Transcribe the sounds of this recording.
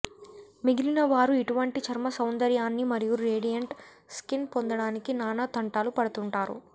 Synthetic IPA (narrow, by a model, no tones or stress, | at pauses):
miɡilinɐʋaːɾuiʈuʋɐɳʈit͡ʃɐɾmɐsɐwnd̪ɐɾjaːnːimɐɾijuɾeːɽijɐɳʈ | skinpond̪ɐɽaːnikinaːnɐt̪ɐɳʈaːlupɐɽɐt̪uɳʈaːɾṵ